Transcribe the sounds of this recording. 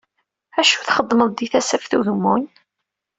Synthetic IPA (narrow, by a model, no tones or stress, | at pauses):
æʃu̥θχəd̪ˤːməðˤd̪iθæsæfθuðəmːun